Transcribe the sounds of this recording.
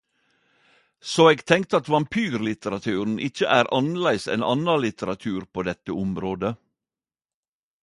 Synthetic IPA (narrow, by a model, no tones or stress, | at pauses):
soːeːɡt̪ʰɛŋk̚t̪əɑt̪ʋɑmpʰyːɾlɪt̪əɾɑt̪ʰʉːɾn̩ʔɪçəʔæːɾʔɑnlæɪsɛ̰ːnʔɑ̰nɑlɪt̪əɾɑt̪ʰʉːɾpʰoːd̪ɛt̪əʊmɾoːd̪ə